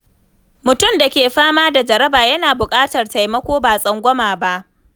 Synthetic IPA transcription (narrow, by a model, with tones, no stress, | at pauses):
mʊ˨tʊ˦˨mda˨kʲeː˨ɸaː˦maː˦da˨d͡ʒɐ˨ɾɐ˦baː˨jɐ˦naː˨bʊ˨kʼaː˦tɐ˨rta˨jmɐ˦kʷoː˦baː˨sʼɐ˦ŋɡʷɔ˦maː˨ba˦ʔ